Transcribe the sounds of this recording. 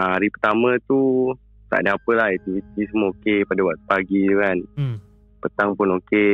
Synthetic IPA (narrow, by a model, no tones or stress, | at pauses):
aaɾipət̪amə̃t̪u | t̪a̰ʔdəapəlahɛt̪ivit̪isəmookepadawaʔt̪̚upaɡiduŋan | pət̪aŋpʊnoke